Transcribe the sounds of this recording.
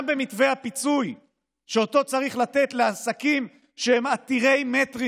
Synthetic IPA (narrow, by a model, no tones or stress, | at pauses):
mbe̞mitve̞hapit͡suj | ʃeo̞t̪o̞t͡saʁiχlat̪e̞tleasakim | ʃehemat̪iʁe̞jme̞t̪ʁi